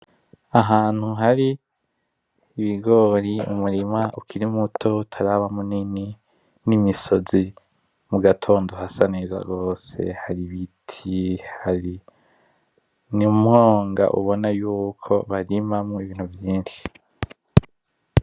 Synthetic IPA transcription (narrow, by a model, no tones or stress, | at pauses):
aɦaːn̥huɦaɾi | βiɡo̞ːɾiṵmuɾimaʔukʰiɾimutʰo̞tʰaɾaβamunini | nimiso̞zi | muɡatʰo̞ːndo̞hasaneza̰ɡo̞ːse̞̰haɾiβitʰihaɾi | nimŋoːŋɡa̰ʔṵβo̞najuːkʰo̞βaɾimamoiβiːn̥huvjiːndi